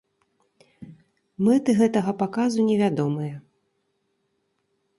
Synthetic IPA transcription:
mɛt̪ɨɣɛt̪ɐɣɐpakazunʲɛvʲad̪ɔmɨjɐ

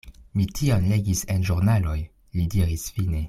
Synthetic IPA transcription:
mitʰionleɡisenʒuɾnaloj | lidiɾisfine̞

